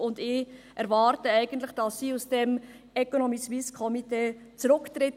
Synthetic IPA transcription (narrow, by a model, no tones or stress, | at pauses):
ʊndɪ | ɛɾʋɑːɾtəɛɪɡ̥ən̩tləχd̥ɑsːiːusd̥ɛm | ɛkonomiʃʋiːskʰɔmiteːt͡sɾʊkt̪ɾɪt